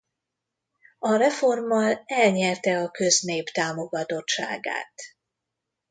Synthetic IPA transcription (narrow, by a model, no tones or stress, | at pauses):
ɒrɛfo̞rmːɒlɛlɲɛrt̪ɛɒkø̞zneːpt̪aːmo̞ɡɒt̪o̞tt͡ʃa̰ːɡa̰ːt̪